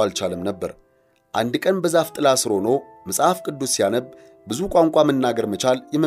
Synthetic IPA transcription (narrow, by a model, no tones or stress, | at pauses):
alt͡ʃaləmnəbːəɾ | ʔand̪kʼənbəzaft̪ʼɨlasɨɾonəw | məsʼhafkʼɨd̪ːusːijanəb | bɨzukʷʼaŋkʷʼamənːaɡəɾmət͡ʃaljɛmə